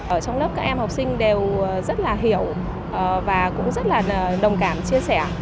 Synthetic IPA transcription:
ʔəː˧˩t͡ɕɔ˧wŋ͡mlə˦˥p̚kaː˦˥k̚ʔɛ˧mhɔ˨˩wk͡p̚sï˧ŋ̟ɗe˨˩wzə˦˥t̚laː˨˩ɦi˧˩˨əw | ʔə˨˩vaː˨˩kʊ̰˧˥ŋ͡mzə˦˥t̚laː˨˩˨ɗə˨˩wŋ͡mkaː˧˩mt͡ɕi˧əsɛ˧˩

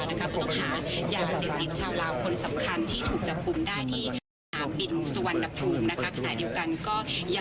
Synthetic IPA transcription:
na˦˥kʰa˦˥pʰɔː˧˥˩t̪ɔ˥˩ŋɦaː˩˦jaː˧seː˨˩p̚t̪i˨˩t̪̚t͡ɕʰaː˥˩wlaː˦˥wkʰo˧nsa˨˩˦mkʰa˧nt̪ʰiː˥˩t̪ʰuː˨˩k̚t͡ɕa˨˩p̚ku˧mdaː˥˩jt̪ʰiː˥˩ | aː˨˧˥bi˧˩nsu˧wa˨˧˦nːa˧pʰːuː˧˩mna˦˥a˦˥kʰa˧na̰ː˨˩di˧əwka˧nkɔː˥˩ja˨˧

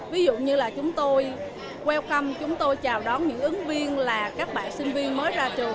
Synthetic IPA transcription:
vi˨˦zṵ˧˨ɲɨ˧laː˨˩t͡ɕʊ˨˦ŋ͡mt̪o˧j | kwɛ˧wka˧mt͡ɕʊ˨˦ŋ͡mt̪o˧jt͡ɕaː˨˩wɗɔ˨˦nɲɨ̰˧˥ŋʔɨ˨˦ŋvi˧ənlaː˨˩kaː˦˥k̚ɓa̰ː˧˨nsï˧ŋ̟vi˧ənməː˨˦jzaː˧t͡ɕɨ˨˩ə

